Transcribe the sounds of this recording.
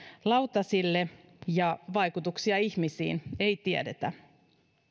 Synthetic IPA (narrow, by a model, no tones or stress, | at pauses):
lɑwt̪ɑsilːe | jɑʋɑjkut̪uksiɑiçmisḭːnejt̪iḛdet̪æ